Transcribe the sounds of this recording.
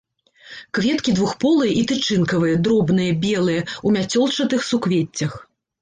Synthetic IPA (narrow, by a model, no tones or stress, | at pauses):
kvʲɛt̪kʲid̪vuxpɔlˠɨjɐʔit̪ɨt͡ʂɨnkɐvɨjɐd̪ɾɔbnɨjɐbʲɛlˠɨjɐumʲat͡sʲɔlˠt͡ʂɐt̪ɨxsukvʲet͡sʲːɐx